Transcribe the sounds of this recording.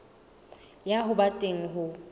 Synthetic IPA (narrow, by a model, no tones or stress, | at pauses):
jaɦʊbatʼeŋ̩ɦʊ